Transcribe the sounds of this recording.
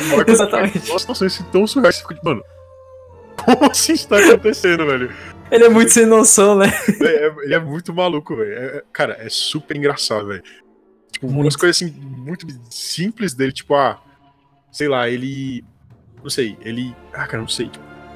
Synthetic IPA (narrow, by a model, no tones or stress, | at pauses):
aɾɐkezat̪ɐmẽt͡ʃɐ̃ɐsinosõj̃sasĩt̪ɐ̃w̃suɦajsfikot͡ʃimɐ̃nʊ | kʰõmʊɐsĩst̪aakõnt̪esẽnd̪ʊvɛljʊelɪɛmũj̃t̪ʊsenosɐ̃w̃nɛɛɛelɪɛmũj̃t̪ʊmalukʊvɛlʊɛɛkaɾɐʔɛsupeɾĩɡɾasad̪ɐvɛ̰jʊ | t͡ʃi̥pʊũɐs̬kojzasĩmũj̃t̪ʊsĩplɪzd̪elɪt͡ʃi̥pʊa | sejlaelɪ | nɐ̃w̃sejelɪakaɾɐnɐ̃w̃sejt͡ʃi̥pʊ